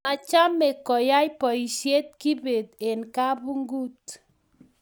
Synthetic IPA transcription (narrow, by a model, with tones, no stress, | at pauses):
a˨t͡ʃa˦me˨kɔ˨ja˦jpɔ˨i˨sje˦t̚ki˦be˨t̪e˨nka˦bu˦ŋɡu˦t